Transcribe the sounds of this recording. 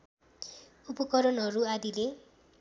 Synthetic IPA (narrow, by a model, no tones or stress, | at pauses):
upɔkʌɾɔnɦʌɾuad̪ile